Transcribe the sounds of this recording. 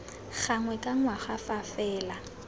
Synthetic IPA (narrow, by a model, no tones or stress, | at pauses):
ɣaŋwɛkʼaŋwaχafafɛːla